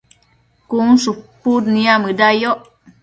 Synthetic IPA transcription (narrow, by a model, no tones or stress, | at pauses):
kunsupudniamədajɔʔ